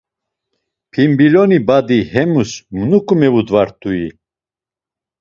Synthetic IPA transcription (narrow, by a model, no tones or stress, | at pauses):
pʰimbilɔnibad̪ihɛmusmunukʼumɛvud̪vaɾt̪ʰʼui